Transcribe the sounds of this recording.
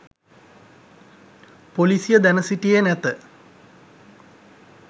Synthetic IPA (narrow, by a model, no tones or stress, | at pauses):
polisijəd̪ænɐsiʈːijenɛt̪ːə